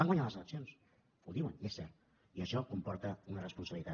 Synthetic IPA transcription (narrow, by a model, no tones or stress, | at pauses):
aŋɡwaɲaləzələksions | uðiwənesːɛɾt̪ | iəʃɔkumpɔɾt̪əunərəspunsəβlit̪a